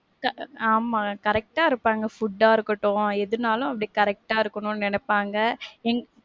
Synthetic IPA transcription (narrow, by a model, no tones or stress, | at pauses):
kɐaːmaːkɐɾɛk̚ʈaːɪɾɯpːaːŋɡɐfʊɖːaːɪɾɯkːɐʈːʊ̃ɛðɯnaːlʊ̃ɐpːɐɽikɐɾɛk̚ʈaːɪɾɯkːɐɳʊ̃nnɛnɛpːaːŋɡɐɛŋɡ